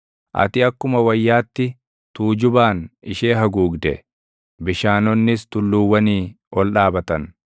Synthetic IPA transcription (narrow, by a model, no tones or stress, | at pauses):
ʔɐ̰t̪ɪɐkːʊmɐwɐjːaːt̪ːɪ | t̪uːd͡ʒʊbaːnɪʃeːɦɐɡuːɡd̪ɛ̰ | bɪʃaːnɔnːɪst̪ʊlːuːwːɐniː | ʔɔlɗaːbɐt̪ɐn